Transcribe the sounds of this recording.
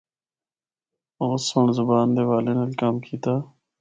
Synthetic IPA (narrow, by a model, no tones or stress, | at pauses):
oɣsoɳzʊbaːnd̪eːʋaːleːnəlkaːmkʰiːt̪aː